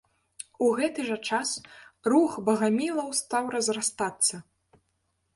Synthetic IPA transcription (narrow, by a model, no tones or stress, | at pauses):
uɣɛt̪ɨʐɐt͡ʂasruxbɐɣamʲilˠɐwst̪awrɐzrast̪at̪sːɐ